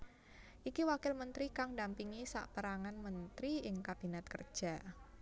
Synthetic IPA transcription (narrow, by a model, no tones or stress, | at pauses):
ʔikiwakɪlmənt̪ɾikaŋdampiŋisa̰ʔpəɾaŋanmənt̪ɾiɪŋkab̥inɛt̪̚kər̥ʒ̥a